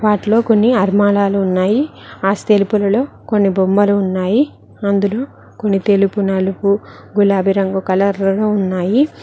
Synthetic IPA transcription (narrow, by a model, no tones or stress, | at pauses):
ʋaːʈilo̞ːko̞nːiɐɾmaːlaːluːnːaːjiaːst̪elupulɐlo̞ː | ko̞nːibombɐluːnːaːji | ɐnd̪ulo̞ː | konːit̪elupunɐlupu | ɡulaːbʱiɾɐŋɡɐkɐlɐɾlɐluunːaːji